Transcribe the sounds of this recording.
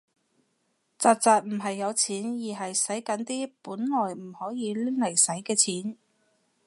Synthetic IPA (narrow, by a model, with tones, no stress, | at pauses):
t͡saː˧t̚t͡saː˨˧t̚m̩˨˩ɦɐ˨jːɐ˨˧wt͡sʰiː˨˥njiː˨˩ɦɐ˨jsɐ˨˥jkɐ˨˥nt̪iː˥puː˨˥nlɔː˨˩jm̩˨˩hɔː˨˥jiː˨˧li˥lɐ˨˩jsɐ˨˥jkɛː˧t͡sʰiː˨˥n